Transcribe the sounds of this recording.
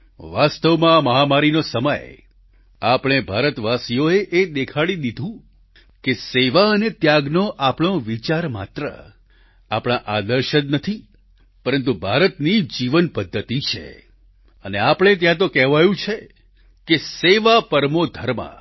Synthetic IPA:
ʋast̪əʋmãməɦamaɾinosəmə̰j | apɽ̃ebʱaɾət̪ʋasijoeʔed̪ekʰaɭid̪id̪ʱũ | keseʋaənet̪jaɡnoʔapɽ̃oʋit͡ʃaɾma̰t̪ɾə̰ | apɽ̃aʔad̪əɾʃənnət̪ʰi | pəɾənt̪ubʱaɾət̪nid͡ʒiʋənpəd̪ʱːət̪it͡ʃʰḛ | əneapɽ̃et̪̬jãt̪̬okɛɦʋajũt͡ʃʰe | keseʋapəɾmod̪ʱəɾmã̰

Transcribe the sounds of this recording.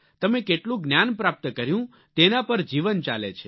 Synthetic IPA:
t̪əmekeʈlũɡnjanpɾap̚t̪əkəɾjũ | t̪enapəɾd͡ʒiʋənt͡ʃa̰lḛt͡ʃʰe

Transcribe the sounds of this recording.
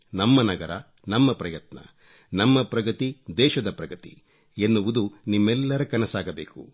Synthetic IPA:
nɐmːɐnɐɡɐɾɐ | nɐmːɐpɾɐjɐt̪nɐ̰ | nɐmːɐpɾɐɡɐt̪id̪ɛːʃɐd̪ɐpɾɐɡɐt̪ḭ | enːuʋud̪unimːɛlːɐɾɐkɐnɐsaːɡɐbeːkṵ

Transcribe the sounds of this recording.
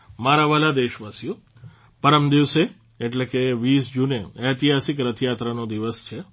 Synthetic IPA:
maɾaʋalad̪eʃʋasjũ | pəɾəmd̪iʋse | eʈlekeʋiːsd͡ʒuneɛt̪iɦasikɾət̪ʰjat̪ɾanod̪iʋəst͡ʃʰe

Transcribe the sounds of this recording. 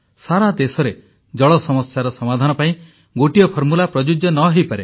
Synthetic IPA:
saɾad̪esɔɾe | d͡ʒɔɭɔsɔmɔsːaɾɔsɔmad̪ʱanɔpaĩ | ɡoʈijɔpʰɔɾmulapɾɔd͡ʒud͡ʒjɔnɔɦejpaɾe

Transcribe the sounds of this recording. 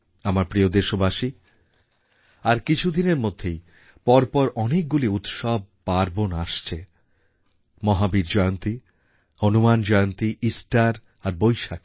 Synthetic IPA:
amaɾpɾiod̪eʃobaʃi | aɾkit͡ɕʰud̪ineɾmod̪ʱːej | pɔɾpɔɾʔɔnek̚ɡuliut̪ʃɔb̚ːaɾbonaʃt͡ɕʰe | mɔɦabiɾd͡ʑɔeont̪i | honumand͡ʑɔjont̪iʔisʈaɾ | aɾbojʃak

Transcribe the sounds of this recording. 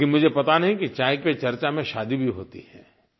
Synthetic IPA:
kɪmʊd͡ʒʱepɐt̪anɐɦĩkit͡ʃaːɪkpet͡ʃɐɾt͡ʃamẽʃaːd̪ibʱiɦo̰ːt̪ḭhɛ̰ː

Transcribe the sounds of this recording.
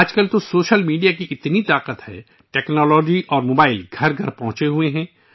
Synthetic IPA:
aːd͡ʒkəlt̪osoːʃəlmiːɖijakiʔɪt̪nit̪aːqət̪hɛ̰ː | ʈɛːknɔːlɔːd͡ʒiʔɔːɾmoːbaːɪlɡʱɐɾɡʱɐɾpɐ̃ɦʊ̃t͡ʃeɦueɦɛ̃ː

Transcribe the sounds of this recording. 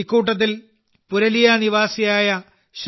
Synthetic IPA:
ikːuːʈ̬ːɐt̪̬ːil | puɾɐlijaniʋaːsijaːjɐ | ɕ

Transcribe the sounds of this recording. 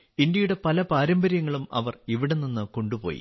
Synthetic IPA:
ind̪jɐjuɽe̞pɐlɐpaːɾɐmbɐɾjɐŋːɐɭumɐ̰ʋɐriʋiɽenːinːɨko̞ɳɖupo̞̰ːjḭ

